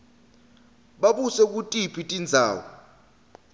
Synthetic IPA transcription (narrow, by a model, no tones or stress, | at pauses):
ɓaɓusɛk̬ʼutʼipʰitʼind͡zʱa̰ːwɔ